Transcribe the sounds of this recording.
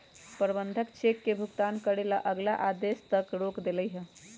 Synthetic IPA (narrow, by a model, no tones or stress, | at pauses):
pəɾbənd̪ʱəkt͡ʃekːebʱuɡt̪ankəɽelaʔəɡlaʔad̪est̪əkɾokd̪eləjɦə̃